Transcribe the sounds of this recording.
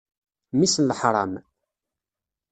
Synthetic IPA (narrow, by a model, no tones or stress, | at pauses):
misənləħɾˤɑ̰m